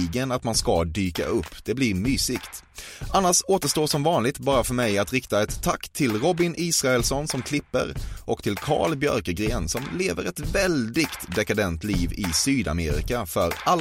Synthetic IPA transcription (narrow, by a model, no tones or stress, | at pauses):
ɡənat̪manskad̪yːka̰ʔɵpːd̪̥ɛblɪɾmyːsɪkt̪ | ʔanːaʂoːt̪əʂtoːʂɔmvɑːnlɪɡ̚t̪̚bɑːɾafœɾmɛjat̪ɾɪkt̪aɛt̪ʰːakːt̪ʰːɪlɾɔbɪnʔiːsɾaɛlsɔnsɔmkʰlɪpːə̰ɾʔɔkt̪ʰɪlkʰɑ̰ːɭbjœ̰ɾkəɡɾeːnsɔmleːvəɾɛt̪vɛld̪ɪɡt̪d̪ɛkad̪ɛnt̪liːvɪsyːd̪a̰meːɾɪ̰kafœɾal